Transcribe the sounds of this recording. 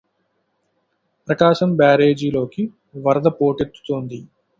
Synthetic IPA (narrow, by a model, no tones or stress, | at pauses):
pɾɐkaːʃɐmbaːɾe̞ːd͡ʒilo̞ːki | ʋɐɾɐd̪ɐpo̞ːʈet̪ːu̥t̪oːnd̪i